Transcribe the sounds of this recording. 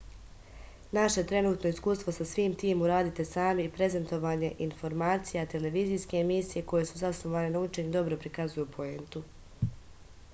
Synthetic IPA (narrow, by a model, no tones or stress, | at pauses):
naʃet̪ɾe̞nuːt̪no̞iskuːst̪vo̞sasʋiːmt̪iːmuɾaːd̪it̪e̞saːmipɾe̞ze̞nt̪o̞ʋaːɲe̞ʔinfo̞ɾmaːt̪sijat̪e̞le̞ʋiːziːske̞ːmisije̞ko̞je̞suzasno̞ʋaːne̞naut͡ʃeɲd̪o̞bɾo̞pɾikazujupʰo̞e̞nt̪u